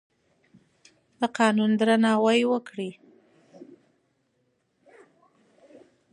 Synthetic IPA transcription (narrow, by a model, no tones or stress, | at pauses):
d̪̥əqɑnund̪ɾanɑwajwəkɽi